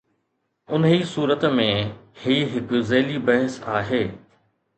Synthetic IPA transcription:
ʊnisuːɾət̪mẽhiːɦɪkʊzeːlibɐɦəsaːɦeː

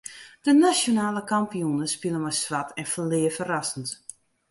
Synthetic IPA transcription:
d̥ənasjonaːləkampijunəspilˠəmasʋatɛnfəlɪːəfərasənt

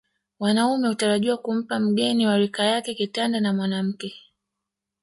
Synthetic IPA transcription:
wanaumɛhutaɾaʄiwakum̩pam̩ɠɛniwaɾikajakɛkitandanamwanam̩kɛ

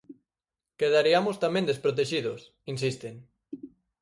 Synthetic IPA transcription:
keðaɾiamost̪amẽnd̪espɾot̪̬eʃiðos | insist̪eŋ

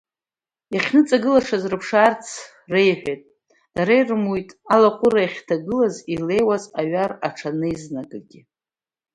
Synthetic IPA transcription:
iχʲnɨt͡sʼaɡɨlaʂazrɨpʰʂart͡sʰ | re̞jħᶣejtʼ | d̥aɾejrmujtʼalaqʷʼʊraiχʲtʰaɡɨlazile̞jwazaɥaraʈ͡ʂʰanɨiznaɡʼaɡʲɪ

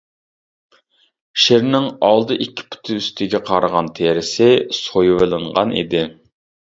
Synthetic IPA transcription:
ʃeɾnɪŋɑlˠd̪ɨʔikʲʰːi̥pʰʊ̥t̪ʰɪyst̪ʰɪɡʲɛqʰɑɾəʁɑnt̪ʰeɾɪsɪsojwɨlˠɨɴʁɑ̰nʔḭd̪ɪ

